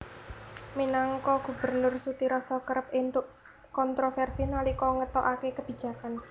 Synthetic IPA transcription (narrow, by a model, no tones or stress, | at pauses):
minaŋkɔɡ̥ṳbərnʊrsut̪iɾɔsɔkəɾəpɪnt̪ʊʔ | kɔnt̪ɾofɛrsinalikɔŋət̪ɔʔakekəb̥i̤̥d͡ʒ̥ä̤kan